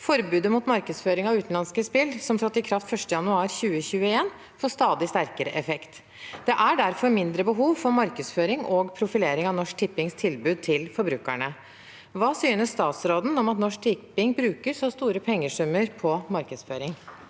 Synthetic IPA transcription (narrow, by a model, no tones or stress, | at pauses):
fɔɾbʉːd̪əmʊt̪mɑɾkəd̪sføːɾɪŋɑʋʉːt̪n̩lɑnskəspɪlsɔmt̪ʰɾɑt̪ːɪkʰɾɑft̪fœʂʈəjɑnʉɑːɾçʉːəçʉːəeːn | foːst̪ɑːd̪ɪst̪æɾkəɾəʔɛfɛkt̪ | d̪ɛʔæɖæɾfɔɾmɪnd̪ɾəbəɦuːʋfɔɾmɑɾkəsføːɾɪŋɔɡpʰɾʊfɪleːɾɪŋɑʋnɔʂk̚t̪ʰɪpːɪŋst̪ʰɪlbʉːd̪̚t̪ʰɪlfɔɾbɾʉːkæɳə | ʋɑːsyːnəsst̪ɑːt̪sɾoːd̪n̩ɔmɑt̪nɔʂk̚t̪ʰɪpɪŋbɾʉːkəɾsɔst̪uːɾəpʰɛŋːəʂʉmːəɾpʰɔmɑɾkəd̪sføːɾɪŋ